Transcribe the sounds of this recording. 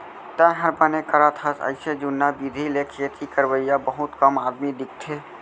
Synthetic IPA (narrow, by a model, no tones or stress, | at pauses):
t̪ɛ̃ɦəɾbanekəɾat̪ʰasə̰ɪsed͡ʒʊnːabid̪ʱilekʰiət̪ikəɾwəjabəɦʊt̪kəmaːd̪mid̪ɪk̚t̪ʰeː